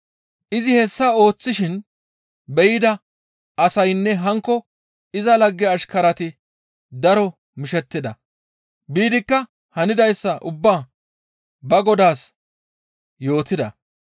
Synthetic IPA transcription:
ʔɪzɪhɛsːɐo̞ːt͡sːɪʃɪn | bɛjɪd̪ɐ | ʔɐsɐjnːɛɦɐŋkːɔ | ɪzɐlɐɡːɛɐʃkɐɾɐt̪ɪ | d̪ɐɾɔ | mɪʃɛt̪ːɪd̪ɐ | biːd̪ɪkːɐ | hɐnɪd̪ɐjsːɐʔʊbːaː | bɐɡɔd̪aːs | jo̞ːt̪ɪd̪ɐ

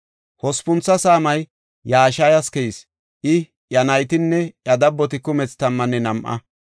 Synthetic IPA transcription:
hɔspʊnt͡sːɐsaːmɐj | jːaːʃajɐskɛjɪs | ʔɪ | ʔjɐnɐjt̪ɪnːɛʔjɐd̪ɐbːɔt̪ɪkʊmɛt͡st̪ɐmːɐnːɛnɐmʔɐ̰

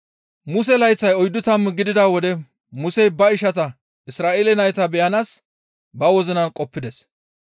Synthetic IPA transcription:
mʊs̬ɛlɐjt͡sːɐjɔjd̪ːʊt̪ɐmːɡɪd̪ɪd̪aːwɔd̪ɛ | mʊsɛjbɐɪʃɐt̪ɐ | ɪsɾaːʔeːlɛnɐjt̪ɐbɛjɐnaːs | bɐwɔzɪnɐnkʼɔpːɪd̪ɛs

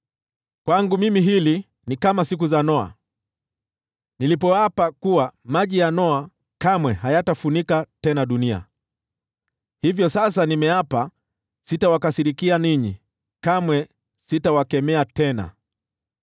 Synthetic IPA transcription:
kwaŋɡumimiɦili | nikamasik̬uzanɔa̰ | nilipɔapakuwamaʄijanɔa | kamwɛɦajatafunikatɛnaɗunia̰ | hivjɔsas̬animɛapa | sitawakasiɾikianiɲi | kamwɛ | sitawakɛmɛatɛna̰

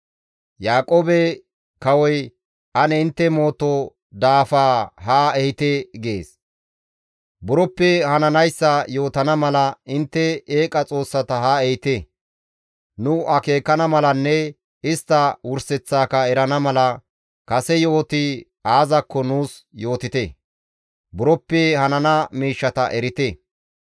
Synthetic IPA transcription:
jaːkʼoːbɛ | kɐwɔj | ʔɐnɛɪnt̪ːɛmo̞ːt̪ɔ | d̪aːfaːɦaɛhɪt̪eɡḛːs | bʊɾɔpːɛhɐnɐnɐjsːɐjo̞ːt̪ɐnɐmɐlɐɪnt̪ːɛeːkʼɐt͡sʼo̞ːsːɐt̪ɐɦaɛhɪt̪e | nʊɐke̞ːkːɐnɐmɐlɐnːɛ | ɪst̪ːɐwʊɾsɛt͡sːaːkɐɛɾɐnɐmɐlɐ | kɐsɛjo̞ːt̪ɪ | aːzɐkːɔnuːsjo̞ːt̪ɪt̪e | bʊɾɔpːɛhɐnɐnɐmiːʃːɐt̪ɐ̰ʔɛɾɪt̪e

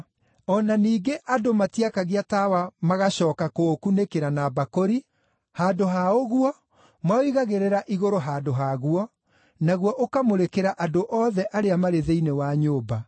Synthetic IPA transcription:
ɔnaniːɡeʔadomatiakaɣeatawamaɣaɕɔːkakokunekeɾanabakoɾi | haːdoɦaoɣuɔ | mwaoiɣaɣeɾeɾaʔiɣoɾoɦaːdoɦaɣuɔ | naɣwɔʔokamoɾekeɾaʔadoʔɔːðɛʔaɾeamaɾeðeinewaɲoːba

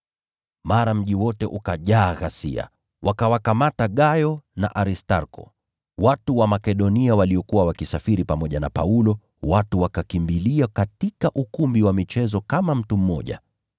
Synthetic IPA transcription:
maɾam̩ʄiwɔtɛʔukaʄaːɣasḭa̰ | wakawakamataɠajɔna̰ʔaɾistaɾkɔ̰ | watuwamakɛɗɔniawaliɔkuwawakisafiɾipamɔʄana̰pa̰ulɔ | watuwakakimbiliakatikaʔukumbiwamit͡ʃɛzɔkamam̩tum̩mɔ̰ʄa̰

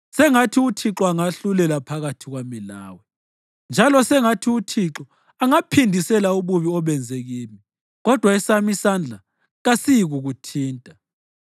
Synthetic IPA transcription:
sɛŋatʰiutʰiǁɔaŋaɬulɛlapʰaɣatʰiɣwamila̰ːwɛ | nd͡ʒʱalɔsɛŋatʰiutʰiǁɔ | aŋapʰindʱisɛlauβuβiɔβɛnd͡zʱeɣiːmi | ɣɔd̥ʱwaisamisand͡ɮʱa | ɣasijiɣuɣutʰiːntʼa

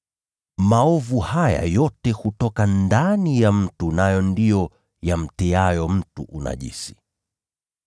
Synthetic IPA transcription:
maɔvuhaja̰jɔtɛhutɔkandanijam̩tunajɔndijɔ | jam̩tɛajɔm̩tuʔuna̰ʄḭsi̥

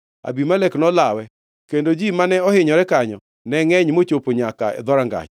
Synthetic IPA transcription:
a̰bimalɛknɔlawɛ | kendod͡ʒimanɛɔhɪɲɔɾɛkaɲɔ̰ | nɛŋɛɲmot͡ʃopoɲaka̰ɛ̰d̪ɔɾaŋɡa̰t͡ʃ

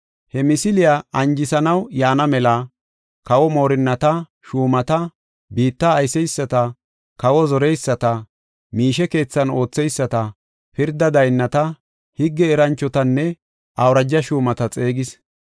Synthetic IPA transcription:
hɛmɪsɪlɪjaɐnd͡ʒɪsɐnɐwjaːnɐmɛlɐ | kɐwɔmo̞ːɾɪnːɐt̪ɐ | ʃuːmɐt̪ɐ | biːt̪ːɐːjsɛjsːɐt̪ɐ | kɐwɔzɔɾɛjsːɐt̪ɐ | miːʃɛke̞ːt͡sːɐno̞ːt͡sːɛjsːɐt̪ɐ | pɪɾd̪ɐd̪ɐjnːɐt̪ɐ | hɪɡːɛːɾɐnt͡ʃːɔt̪ɐnːɛ | ʔɐwɾɐd͡ʒːɐʃuːmɐt̪ɐt͡sʼe̞ːɡɪs

